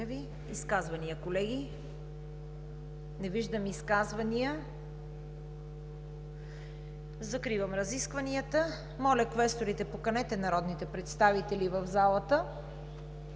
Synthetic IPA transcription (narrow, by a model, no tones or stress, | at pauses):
vi | iskazvɐniəkolɛɡi | nɛviʒd̪əmiskazvɐniə | zɐkɾivɐmɾɐziskvɐniət̪ə | mɔlʲɐkvɛst̪oɾit̪ɛpokɐnɛt̪ɛnɐɾɔd̪nit̪ɛpɾɛt̪st̪avit̪ɛlivəvzalˠət̪ə